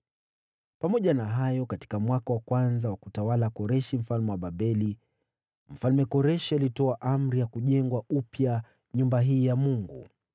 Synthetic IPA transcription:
pamɔʄanaɦajɔkati̥kamwakawakwanzawakutawalakɔɾɛʃim̩falmɛwaɓaɓɛli | m̩falmɛkɔɾɛʃialitɔaʔam̩ɾijakuʄɛŋɡwaʔupja | ɲumbaɦiːjamuŋɡṵ

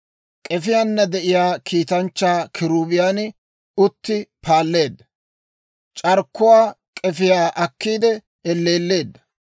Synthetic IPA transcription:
kʼɛfɪjaːnːɐd̪ɛʔɪjaːkʰiːt̪ɐnt͡ʃːaːkʰɪɾuːbɪjaːn | ʊt̪ːɪpʰaːlːe̞ːd̪ːɐ | t͡ʃʼɐɾkːʊwaː | kʼɛfɪjaːʔɐkːiːd̪ɛ | ɛlːe̞ːlːe̞ːd̪ːɐ̥

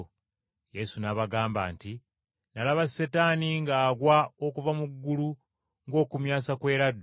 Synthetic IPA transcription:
je̞sunaβaɡaːmba̰ːnti | nalaβasetaːniŋɡaːɡwao̞kuvamuɡːulu | ŋɡo̞ːkumjaːsakwe̞ːɾadː

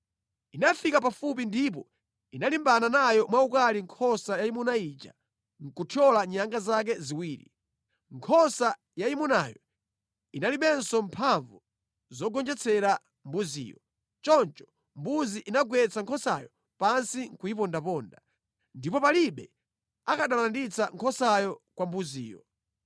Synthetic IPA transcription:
inafikapafup̬indip̬ɔ | inalimbananajɔmwaukaliŋkʰɔsajaimunait͡ʃa̰ | ŋ̩kutʰjɔlaɲaŋɡazak̬ɛziwiːɾḭ | ŋkʰɔsa | jaimunajɔ̰ | inaliɓɛnsɔmpʰaɱvu | zɔɡɔnd͡ʒɛt͡sʰɛɾa | mbuzḭːjɔ | t͡ʃɔnt͡ʃɔ̥ | mbuziʔinaɡwɛt͡sʰaŋkʰɔsa̰jɔ | pansiŋkuipɔndapɔːnda | ndipɔpaliɓɛ | akaɗalandit͡sʰaŋkʰɔsajɔkwambuzḭːjɔ

